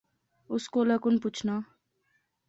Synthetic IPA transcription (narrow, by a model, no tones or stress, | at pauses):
ʊskolʌkʊnput͡ʃʰna